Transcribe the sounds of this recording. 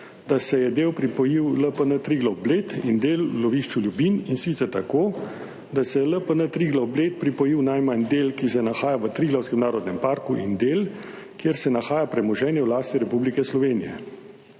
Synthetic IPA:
d̪asɛjɛd̪eːwpɾipɔjiwləpənət̪ɾiɡlawbleːt̪ind̪eːlːɔʋiːʃt͡ʃuljubininsit̪sɛɾt̪akoː | d̪asɛɛləpənət̪ɾiɡlawbleːt̪̚pɾipɔjiwnajmand̪eːlkisɛnaxaːjaʋət̪ɾiːɡlawskɛmnaːɾɔd̪nɛmpaːɾkuʔind̪el | kjeɾsɛnaxaːjapɾɛmɔʒɛːnjɛwlaːst̪iɾɛpublikɛslɔʋeːnijɛ̰

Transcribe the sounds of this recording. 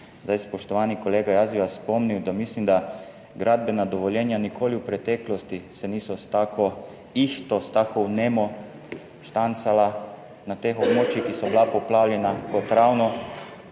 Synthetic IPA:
zd̪ajspɔʃt̪ɔʋanikɔleːɡajazbiʋasspɔmniwd̪amislimd̪a | ɡɾad̪̚bɛnad̪ɔʋɔljɛnjanikʰoːliwpɾɛt̪ɛːklɔst̪isɛniːsɔst̪aːkʰɔ | ixt̪ɔst̪aːkɔwnɛmɔ | ʃt̪ant̪sala | nat̪exɔbmoːt͡ʃixkisɔbilapɔplawljɛnakɔt̪ɾawnɔ

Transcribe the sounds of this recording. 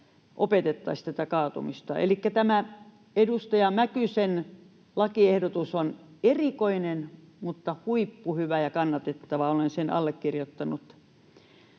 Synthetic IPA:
ʔopet̪et̪ːɑist̪æt̪ækɑːt̪ṵmist̪ɑ̰ḛlikːæt̪æmæ | edust̪ɑjɑmækysen | lɑkiehdot̪usonerikoinen | mut̪ːɑhuipːuhyʋæjɑkɑnːɑt̪et̪ːɑʋɑolensenɑ̰lːekːirjot̪ːɑnut̪

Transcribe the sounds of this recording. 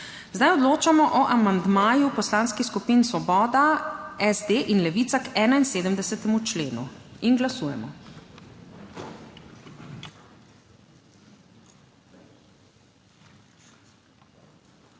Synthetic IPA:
zd̪ajɔd̪loːt͡ʃamɔʔɔʔamand̪maːjupɔslaːnskiskupiːnsʋɔbɔːd̪aɛzd̪eːʔinlɛʋiːt̪sakɛːnainseːd̪əmd̪ɛsɛt̪ɛmut͡ʃleːnṵinɡlasuːjɛmɔ

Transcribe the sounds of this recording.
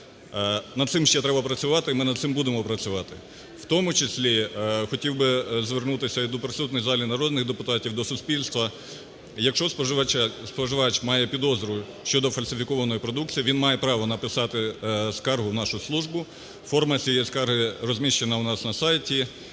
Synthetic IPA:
nɐd̪̚sɪmʃt͡ʃɛt̪ɾɛbɐpɾɐsʲʊʋɑt̪ɪmɪnɐd̪t̪sɪmbud̪emɔpɾɐt͡sʲʊʋɑt̪ɪ | w̥t̪ɔmʊt͡ʃesʲlʲixɔtʲiwbɪzʋernut̪ɪsʲɐd̪ɔpɾɪsut̪nɔjzɑlʲinɐɾɔd̪nɪxd̪epʊt̪ɑtʲiwd̪ɔsʊsʲpʲilʲst̪ʋɐ | jɐkʃt͡ʃɔspɔspɔʒɪʋɑt͡ʃmɑjɛpʲid̪ɔzɾɔjʊ | ʃt͡ʃɔd̪ɔfɐlʲsʲɪfʲikɔʋɐnɔjipɾɔd̪uk̚t͡sʲijiʋʲinmɑjɛpɾɑʋɔnɐpɪsɑt̪ɪskɑrɦʊwnɑʃʊslˠuʒbʊ | fɔrmɐt͡sʲijɛskɑrɦɪrɔzʲmʲiʃt͡ʃenɐʊnɑsnɐsɑjtʲi

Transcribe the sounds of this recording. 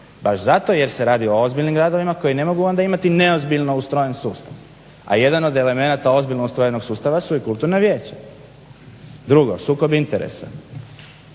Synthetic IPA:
baʃzat̪o̞je̞ɾse̞ɾaːd̪io̞ozbiʎnimɡɾaːd̪o̞ʋimako̞jine̞mo̞ɡuand̪aimat̪ine̞ozbiʎno̞ust̪ɾojensuːst̪aʋ | a̰je̞d̪ano̞d̪e̞le̞me̞nat̪ao̞zbiʎʲnoust̪ɾojeno̞ɡsuːst̪aʋasuikult̪uɾnaʋje̞ːt͡ɕa | d̪ɾuɡo̞suːko̞bint̪eɾḛsa̰

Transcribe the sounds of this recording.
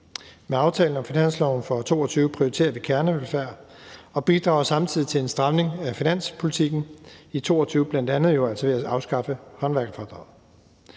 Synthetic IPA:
meɑ̈ʊt͡sʰɛːln̩ɒ̽mfinæn̰slɒʊn̩fɒt͡sʰo̝̰ːɒt͡sʰyːʊəpʰʁioit͡sʰe̝̰ɐʋikʰæɐnəʋelfæɐ̰ | ɒ̽b̥id̥ʁɑ̈ʊsɑ̈mt͡sʰið̰ˠi̥t͡sʰe̝le̝nsd̥ʁɑ̈ʊne̝ŋæfinæn̰spʰo̝lit͡sʰiɡ̥n̩it͡sʰo̝̰ːɒt͡sʰyːʊb̥læn̰d̥ænð̞̩ˠjoæl̰sɒʋe̝æɑ̈ʊsɡ̥ɑ̈fəhɒ̽nʋæɐɡ̥ɐfɒːd̥ʁɑ̈ʊ

